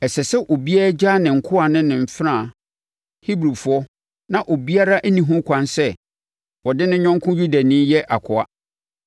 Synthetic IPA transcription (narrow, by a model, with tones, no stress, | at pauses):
ɛ˨sɛ˨sɛ˦ʔo˨bi˦a˦a˦d͡ʑaː˦nɪ̃˨ŋ̩˨kʰʊ˦a˨nɪ̃˦nɪ̃˨m˨fɪ˦ɾã˦˨ | hi˦bɾi˨fʊ˨˦ɔ˦ | nã˨ʔo˨bi˦a˦ɾa˦ʔæ˦nĩ˨ɦʊ̃˦kʷʰã˨nsɛ˦ | wɔ˨dɪ˦nɪ̃˦ɲᶣɔ̃˦ŋkʰʊ̃˦ju˦da˨nĩ˦jɛ˦ʔa˨kʰʊ˨a˦